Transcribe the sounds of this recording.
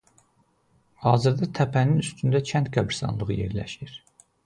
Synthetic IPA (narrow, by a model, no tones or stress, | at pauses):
hɑːzɯɾd̪ɑt̪ʰæpʰæninyst̪ynd̪æt͡ʃʰænt̪ɡæbɾsɑ̰nlˠɯʁɯje̞̰ɾlæ̰ʃiɾ̥